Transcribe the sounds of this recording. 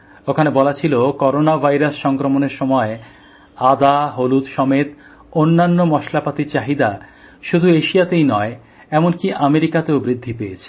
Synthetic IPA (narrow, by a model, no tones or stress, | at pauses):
okʰanebɔlat͡ɕʰilokɔɾonabʱajɾasʃɔŋkɾomoneɾʃɔmɔe | ad̪aɦolut̪ʃɔmet̪ | onːanːomɔʃlapat̪it͡ɕaɦid̪a | ʃud̪ʱueʃijat̪ejnɔe | ɛmonkiʔameɾikat̪eobɾid̪ʱːipeet͡ɕʰe̥